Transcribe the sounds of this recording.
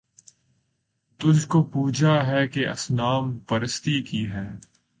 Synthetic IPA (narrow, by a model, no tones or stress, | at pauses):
t̪ʊd͡ʒʱkopuːd͡ʒʱaɦɛkeʔɐ̰snaːmpɐɾɪst̪ikiɦɛː